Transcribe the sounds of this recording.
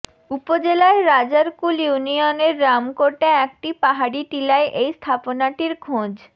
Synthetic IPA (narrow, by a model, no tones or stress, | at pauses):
upod͡ʑelaeɾad͡ʑaɾkuljunioneɾːamkoʈeɛk̚ʈipaɦaɽiʈilaeʔejst̪ʰaponaʈiɾkʰõd͡ʑ